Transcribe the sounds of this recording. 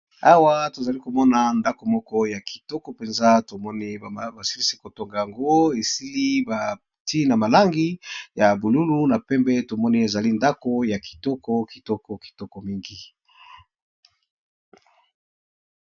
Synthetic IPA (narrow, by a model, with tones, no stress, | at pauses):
a˦wa˦to˨za˨li˦ko˨mɔ˦na˨nda˦ko˨mɔ˦kɔ˦ja˨ki̥˨tɔ˦kɔ˨pe˨nza˦to˨mɔ˦ni˦˨ba˨si˦li˦si˦ko˨to˨ŋɡa˨ja˨ŋɡo˦e˨si˦li˦ba˨ | ti˦na˨ma˨la˦ŋɡi˦ja˨bu˨lu˦lu˦na˨pɛ˦mbɛ˦to˨mɔ˦ni˦e˨za˨li˦nda˦ko˦ja˨ki̥˨tɔ˦kɔ˦ki̥˨tɔ˦kɔ˨ki̥˨tɔ˦kɔ˨mi˦ŋɡi˨